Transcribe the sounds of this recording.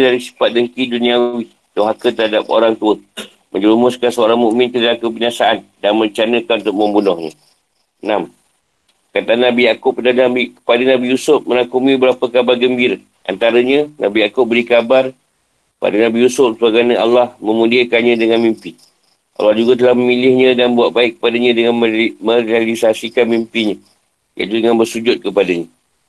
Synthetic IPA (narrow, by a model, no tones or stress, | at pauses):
daɾisi̥pat̪̚dəŋkidunĩawi | t̪oɦakət̪əɾɦadap̚o̰ɾaŋt̪uə | məɲd͡ʒəumʊskansəoɾaŋmuʔmɪ̃nt̪əliakəbinasaʔandanmət͡ʃanəkant̪ʊk̚məmbunɔhɲã̰ | nam | kat̪aanːãbijakʊp̚ədanabikə̥padənãbijusʊp̚mənakumĩbəɾapəkabarɡəmbiɾə | ʔa̰nt̪aɾəɲə̃nã̰bijakʊp̚bəɾikabar | pa̰danãbijusʊp̚səbaɡanə̃a̰lːahmə̃mudiakanɲãdəŋanmimpi | ʔa̰lɑhd͡ʒuɡat̪̬əlahməmilɪhɲə̃danbuaʔ̪̚baɪkːə̥padaɲə̃dəŋanmə̃ɾalisasikanmimpiɲã | ja̰ḭt̪udəŋanbərsud͡ʒʊt̪̚kəpadaɲã